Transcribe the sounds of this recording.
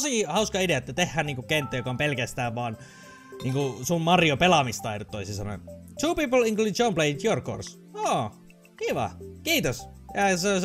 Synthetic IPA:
sihɑuskɑideæet̪ːæt̪ehːæːniːŋkukent̪ːæjokɑompelkæst̪æːʋʋɑːn | niːŋkusummɑrjopelɑmist̪ɑirut̪ːoisisɑno̰t̪ʰuːpiːpəlĩŋkluːit͡ʃompleit̪jorko̰rs | oː | kiʋɑ̰kiːt̪osjæsos

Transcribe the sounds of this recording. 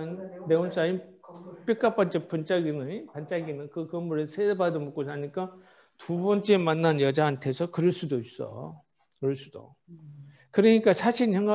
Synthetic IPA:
nneons͈ainp͈jik͈ap͈ʌnt͡ɕ͈ep͈unt͡ɕ͈aɡinɯnpant͡ɕ͈aɡinɯnkɯkɯmːuɾesʰeebadomuk͈osaɲik͈a | tubʌnt͡ɕ͈eemanːanjʌd͡ʑaantʰe̞sʰʌkɯɾʌɭs͈udois͈ʌ̰ | kɯɾʌɭs͈ud̥o̰ | kɯɾʌɲik͈asʰaɕʰinçjʌŋɡa

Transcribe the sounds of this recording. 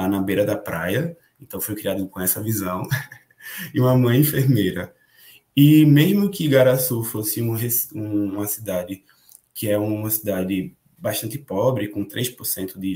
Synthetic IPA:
anɐbejɾɐd̪ɐpɾajɐ | ẽnt̪ɐ̃w̃fojkɾiad̪ʊkõɛsɐvizɐ̃w̃ | ɪũmɐmɐ̃j̃ẽfeɾmejɾɐ | ɪmeʒmʊkɪɡaɾasufosɪũɦesũmɐsid̪ad̪ɪ | kɪɛũmɐ̃sid̪ad̪ɪ | baʃt̪ɐ̃nt̪ɪpɔbɾɪkõt̪ɾʔejʃpoɾsẽnt̪ʊd̪ɪ

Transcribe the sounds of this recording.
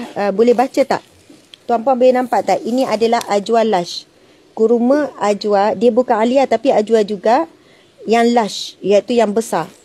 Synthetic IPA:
əbolɛhbat͡ʃət̪a̰ʔ | t̪uampuaŋbolɛnãmpaʔt̪aʔinĩʔadalahʔad͡ʒualaʃ | kuɾumə̃ad͡ʒuadiəbukaŋaliat̪apiad͡ʒuad͡ʒuɡa | jaŋlaʃjait̪ujaŋbəsar

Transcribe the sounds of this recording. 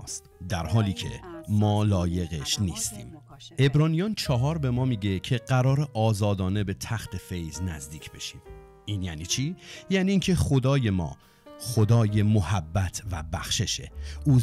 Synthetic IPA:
st̪d̪æɾhɒːliːcʰe̞̰mɒːlɒːje̞ɣeʃniːst̪ʰḭːm | ʔe̞bɾɒːnijɒnt͡ʃʰɒɦɒːɾbe̞mɒːmiːɟe̞cʰe̞ɢæɾɒːɾe̞ʔɒːzɒːd̪ɒːne̞be̞t̪ʰæxt̪ʰe̞fe̞jznæzd̪iːcʰb̥e̞ʃiːm | iːnjæːniːt͡ʃʰiːjæːniːiːncʰe̞χod̪ɒːje̞mɒ̰ː | xod̪ɒːje̞mohæbːæt̪ʰvæ̰bæxʃe̞ʃe̞̰uː

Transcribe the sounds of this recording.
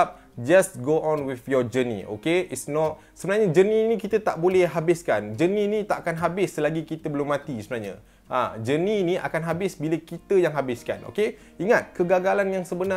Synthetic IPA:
p̚ | d͡ʒasɡoʔɔ̃nwifjɔd͡ʒənḭ̃ʔo̰keitsnɔt̚ | səbənarɲad͡ʒənĩnĩkit̪ət̪aʔbolɛhɦabɪskand͡ʒəninĩt̪aʔakanɦabɪsːəlaɡikit̪əbəlʊmːãt̪isəbənaɲa̰ | ʔa̰d͡ʒənĩnĩʔa̰kanɦabɪsbiləkit̪əjaŋɦabɪska̰no̰ke | iŋat̪̚kəɡaɡalanjaŋsəbəna

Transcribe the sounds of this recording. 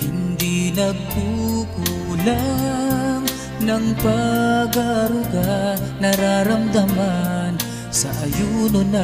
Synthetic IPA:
hɪnd̪inɐɡ̚huku | la | ŋ | nɐŋpɐɡaɾʊɡanɐɾaːɾɐmd̪ɐman | sɐʔɐjuːnʊnɐ

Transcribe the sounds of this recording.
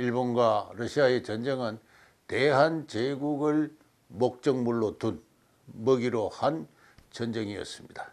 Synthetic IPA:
iɭbonɡwaɾʌɕʰiae̞t͡ɕʌnd͡ʑeŋan | teɦant͡ɕeɡuɡɯɭ | mok̚t͡ɕ͈ʌŋmuɭːotun | mʌɡiɾohan | t͡ɕʌnd͡ʑeŋiʌ̰s͈ɯmɲida

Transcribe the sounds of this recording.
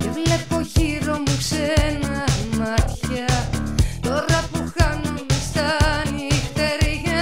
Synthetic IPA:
evlepo̞çiɾomuksenɐmɐçɐ | t̪oɾɐpuxanomust̪ɐnixt̪eɾeʝɐ

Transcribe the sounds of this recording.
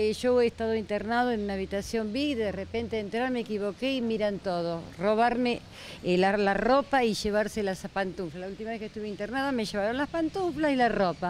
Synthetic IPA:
ʒoeːst̪aðoint̪eɾnað̞oenunaːβit̪asjo̞mbiɣd̪eðerepe̞nt̪eent̪ɾaɾmekiβo̞keimiɾant̪oð̞oroβ̞aɾme | lalaropaiʒe̞β̞aɾselasapant̪uɱflalault̪imaβesket̪uβeint̪eɾnaðame̞ʒe̞βaɾo̞nlaspant̪uɱflasilaropa

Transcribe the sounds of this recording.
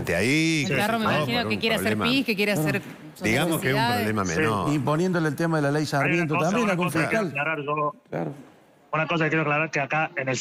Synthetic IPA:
t̪ea̰ikaromeinaokekjeɾealseɾpihkekjeɾeaseɾ | sd̪iɣamoskeesumapɾðoβlemamḛsinoimpo̞njend̪oleːlt̪emaðelalejsaɾmjent̪ot̪ambjenaɣũmfikalklaɾaɾʒola̰ɾo | unakosakekjeɾoklaɾaɾkeakaenels

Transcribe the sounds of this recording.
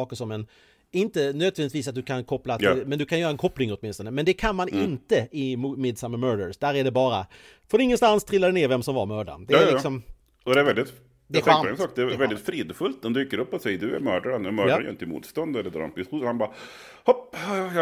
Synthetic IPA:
ɑːkəʂɔmɛn | ɪnt̪ənøːd̪vɛnd̪ɪt̪viːs̬at̪̚d̪ɵkʰankʰɔpːlat̪ʰɪlmɛnd̪ɵkʰanjœːɾaɛnkʰɔplɪŋɔt̪̚ːmɪnst̪ɔnəmɛnd̪ɛkʰanmanɪnt̪əɪmumɪːd̪samːəmœːɖəɾsd̪̥æːɾæɖɛbɑːɾa | foːd̪ɛɪŋːənst̪anst̪ʰɾɪlːad̪ɛneːɾvɛmsɔmvaɾmœːɖa̰nd̪ɛːllɪksɔm | ɔd̪ɛæɾvɛld̪ɪt̪ | d̪ɛæɧaɛnsɑːkd̪ɛævɛld̪ɪt̪fɾiːd̪fɵlt̪ɔmd̪yːkəɾɵpːɔsɛjːəd̪ɵæ̰ɾmœːɖaɾanʉmœːaj̰ɪnt̪əɪmṵːt̪st̪ɔnd̪ɛɾɛd̪ɾɔ̰mpɪstuːhanbɑːɾ | hɔphɑɑj

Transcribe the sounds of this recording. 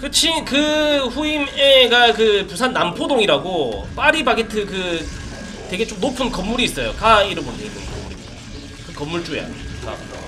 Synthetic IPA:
kɯt͡ɕʰikɯɸuimeɡakɯpusʰanːampʰodoŋiɾaɡop͈aɾibaɡetʰɯkɯ | twe̞ɡe̞t͡ɕomnopʰɯnkʌmːuɾiːs͈ʌjokaiɾɯbondeidoŋkʌmːuɾḭtʰ | kɯkʌmːuɭt͡ɕ͈uḛa̰ka̰

